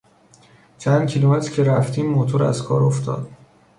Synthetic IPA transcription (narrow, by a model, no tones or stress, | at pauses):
t͡ʃʰænd̪̚cʰilomet̪ʰɾcʰeɾæft̪ʰiːmːot̪ʰoɾæ̰zkʰɒ̰ːɾoft̪ʰɒ̰ːd̪̥̚